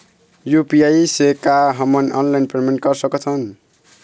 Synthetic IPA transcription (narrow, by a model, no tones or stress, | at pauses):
jupiajsekaɦʌmʌnʌnlajnpremenʈ̚ɡʌrsʌket͡sʰʌn